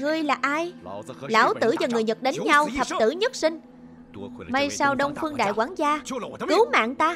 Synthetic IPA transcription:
ŋɨ˨˩əjlaː˨˩ʔaː˧jla̰ː˧˥˩wt̪ɨ̰˧˥zaː˨˩ŋɨ˨˩əjɲə˨˩t̚ɗe˨˦nɲa˧wt̪ʰə˨˩p̚t̪ɨ̰˧˩ɲə˦˥t̚sï˧ŋ̟ | mə˧jsaː˧wɗə˧wŋ͡mfɨ˧əŋɗa̰ː˧˨jkwaː˧˦ŋzaː˧kɨ˨˦wma̰ː˧˨ŋt̪aː˧

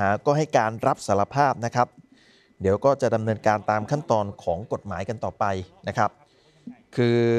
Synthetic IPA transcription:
aː˩˦kɔː˥˩ɦa˥˩jkaː˧nɾa˦˥p̚sa˩˦˥ɾa˧pʰaː˥˩p̚na˦˥kʰɾa˦˥p̚ | di˩˦wkɔː˥˩t͡ɕa˨˩ʔda˧mnɤː˧nkaː˧nt̪aː˧mkʰa˥˩nt̪ɔː˧nkʰɔː˩˦ŋko˨˩t̪̚maː˩˦jka˧nt̪ɔː˨˩pa˧jna˦˥kʰɾa˦˥p̚ | kʰɯː˧

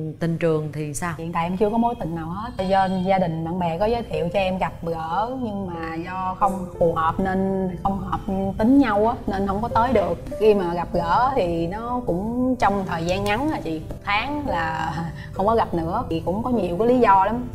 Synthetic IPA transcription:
t̪ï˧ŋt͡ɕɨ˨˩əŋt̪ʰi˨˩nsaː˧wḭ˨˧˨nt̪a̰ː˧˨ʔɛ˧mt͡ɕɨ˧əkɔ˨˦mo˨˦jt̪ï˨˩ŋ̟naː˨˩whə˦˥t̚zə˧nzaː˧ɗï˨˩ŋ̟ɓa̰ː˧˨ŋɓɛ˨˩kɔ˨˦zəː˨˦jt̪ʰḭ˧˨əwt͡ɕɔ˧ʔɛ˧mɣa˨˩p̚ɣəː˧˥ɲɨ˧ŋmaː˨˩zɔ˧xə˧wŋ͡mfu˨˩həː˨˩p̚ne˧nxə˧wŋ͡mhəː˨˩p̚t̪ï˨˦ŋ̟ɲa˧wʔaː˨˦ne˧nhə˧wŋ͡mkɔ˨˦t̪əː˨˦jɗɨ˨˩ək̚xi˧maː˨˩ɣa˨˩p̚ɣəː˧˥t̪ʰi˨˩nɔ˨˦kʊ̰˧˥ŋ͡mt͡ɕɔ˧wŋ͡mt̪ʰəː˨˩jzaː˧nŋa˨˦naː˨˩t͡ɕḭ˨˩mʊ˨˩t̪ʰaː˨˦ŋlaː˨˩ | xxə˧wŋ͡mkɔ˨˦ɣa˨˩p̚nɨ̰˧˥ə˨˩kʊ̰˧˥ŋ͡mkɔ˨˦ɲi˨˩əwkɔ˨˦li˨˦zɔ˧la˨˦m

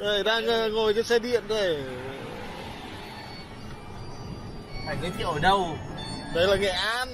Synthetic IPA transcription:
ə˨˩jɗaː˧ŋʔa˧ŋo˨˩jzɔ˧˦sɛ˧˥ɗḭ˧˨ənzo˨˩j | fa̰ː˧˨jməː˨˦jt̪ʰḭ˧˨ʔəː˧˩ɗə˧wɗə˨˦jlaː˨˩ŋɛ̰˧˩ʔaː˧˥n

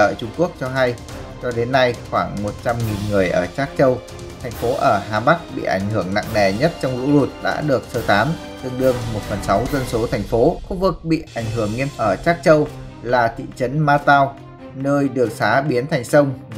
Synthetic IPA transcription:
əː˧˨t͡ɕʊ˧ŋ͡mku˦˥ək̚t͡ɕɔ˧ɦa˧j | t͡ɕɔ˧ɗe˨˦nːa˧jxwaː˧˩ŋmo˨˩t̚t͡ɕa˧mŋi˨˩nŋɨ˨˩əjʔəː˧˩t͡ɕaː˦˥k̚t͡ɕə˧w | t̪ʰɛ˨˩jŋ̟fo˨˦ʔəː˧˩ɦaː˨˧˩ɓa˦˥k̚ɓḭ˧˨ʔa̰˧˩jŋ̟hɨ˧˩əŋna̰˧˨ŋnɛ̰˨˩ɲə˦˥t̚t͡ɕɔ˧wŋ͡mlṵ˧˥lu˨˩t̚ɗa̰ː˧˥ɗɨ˨˩ək̚səː˨˩t̪aː˨˦m | t̪ɨ˧əŋɗɨ˧əŋmo˨˩t̚fə˨˩nsa˨˦wzə˧nso˨˦t̪ʰɛ˨˩jŋ̟fo˨˦xu˧vɨ˨˩k̚ɓḭ˧˨ʔa˧˩jŋ̟ɦɨ˧˩əŋːi˧ənʔəː˧˩t͡ɕaː˦˥k̚t͡ɕə˧w | laː˨˩t̪ʰḭ˧˨t͡ɕə˨˦nmaː˧t̪aː˧w | nəː˧jɗɨ˨˩ək̚saː˨˦ɓi˨˦ənt̪ʰa˨˩jŋ̟sə˧wŋ͡m

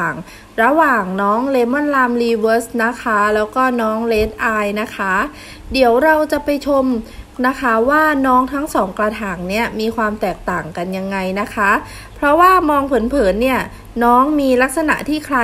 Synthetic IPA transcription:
a˨˩ŋ | ɾa˧waː˨˩ŋnɔː˦˥ŋleː˦˥mɔ˥˩nlaː˧mliː˧wɤː˦˥sna˦˥kʰa˦˥lɛː˦˥wkɔː˥˩nɔː˦˥ŋleː˦˥t̪̚ʔaː˧jna˦˥kʰa˦˥ | di˩˦əwɾa˧wt͡ɕa˨˩pa˧jt͡ɕʰo˧mna˦˥kʰa˦˥waː˥˩nɔː˦˥ŋt̪ʰa˦˥ŋsɔː˩˦ŋklaː˧t̪ʰaː˨˩ŋni˦˥˩ɐmiː˧kʰwaː˧mt̪ɛː˨˩k̚t̪aː˨˩ŋka˧nja˧ŋːa˧jna˦˥kʰa˦˥ | pʰɾɔ˦˥waː˥˩mɔː˧ŋpʰɤ˩˦npʰɤː˩˦nːi˥˩ɐ | nɔː˦˥ŋmiː˧la˦˥k̚sa˧na̰˨˩ʔt̪ʰiː˥˩kʰɾa˧

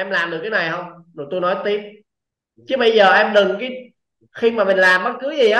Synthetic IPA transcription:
ɛ˧mlaː˨˩mɗɨ˨˩ək̚ːa˨˦na˨˩jhə˧wŋ͡mɗo˨˩t̪o˧jnɔ˨˦jt̪i˦˥əp̚ | t͡ɕɨ˨˦ɓə˧jzəː˨˩ʔɛ˧mɗɨ˨˩ŋkaː˨˦ | xi˧maː˨˩mï˨˩ŋ̟laː˨˩mɓə˦˥t̚kɨ˨˦zi˨˩ʔaː˨˦

